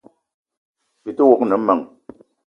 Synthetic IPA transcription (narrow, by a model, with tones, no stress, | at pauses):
pi˨tu˦wo˨knə˨˦mə˨ŋ